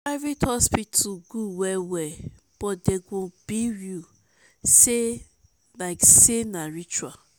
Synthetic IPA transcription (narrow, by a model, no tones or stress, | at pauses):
avitʰɔspitʰuɡuwɛwɛ | b̥ɔt̚deɡõb̥iɹju | se | laɪksenaɹit͡ʃua